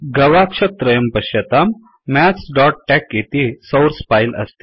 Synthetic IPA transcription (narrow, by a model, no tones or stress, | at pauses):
ɡɐʋakʂət̪ɾəjəmpɐɕjɐt̪amː | æsɖɔʈ̚ʈɛkjet̪isowɾspajlʔɐ̰st̪i̥